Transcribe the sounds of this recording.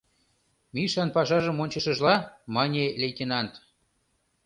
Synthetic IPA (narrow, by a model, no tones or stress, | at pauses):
miʃɑnpɑʃɑʒə̆monʲt͡ɕəʃəʒlɑmɑnʲelʲejt̪ʲenɑnt̪